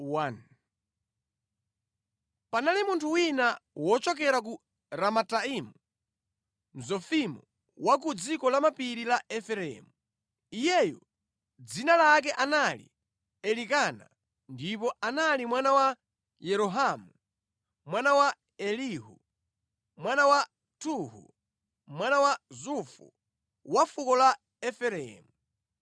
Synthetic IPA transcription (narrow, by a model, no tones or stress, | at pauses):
wan | panalimuntʰuwinawɔt͡ʃɔkɛɾak̬u | ɾamataimu | m̩zɔfimɔ | wak̬ud͡zikɔlamapiɾilaʔɛfɛɾɛ̰mu | ijɛjɔ | d͡zinalak̬ɛʔanalḭ | ɛlikana̰ | ndip̬ɔanalimwanawa | jɛɾɔɦamu | mwanawa | ɛliɦu | mwanawa | tʰuhṵ | mwanawazufṵ | wafukɔla | ɛfɛɾɛ̰mu